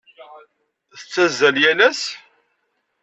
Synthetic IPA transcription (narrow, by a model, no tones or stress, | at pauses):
θət͡sːæzːæljænæs